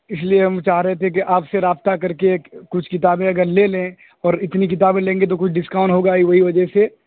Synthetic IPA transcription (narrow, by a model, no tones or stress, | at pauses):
ɪslieɦɐmt͡ʃaːɦɾɐɦet̪ʰek̬iʔaːpseɾaːb̚t̪akɐɾkekʊt͡ʃʰkɪt̪aːbẽɐɡəɾlelẽ | ɔːɾɪt̪nik̬ɪt̪̬aːbẽlẽːŋɡet̪ok̬ʊt͡ʃʰɖɪskãʊ̃ɳʈɦoːɡaiʋɐɦiʋɐd͡ʒəɦse